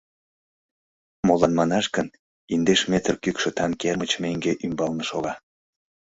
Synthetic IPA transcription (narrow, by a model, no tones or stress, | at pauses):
molɑnmɑnɑʃkən | ind̪eʃmet̪ərkykʃĕt̪ɑnkermət͡ɕmeŋɡeʔymbɑlnə̆ʃoɣɑ